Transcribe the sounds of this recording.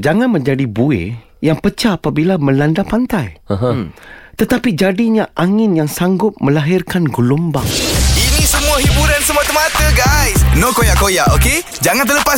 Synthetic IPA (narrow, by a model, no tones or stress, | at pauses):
d͡ʒaŋãnmə̃ɲd͡ʒadibuḛ | jaŋpət͡ʃaːpabilamə̃landapant̪ajɦt̪ət̪apid͡ʒadiɲaʔaŋɪnjaŋsaŋɡʊt̚mə̃laɦɪrkanɡəlumbaŋinĩsəmũaɦibuɾansəmuat̪əmat̪əɡajsnokojaʔkojaʔoke | d͡ʒaŋãnt̪ərləpa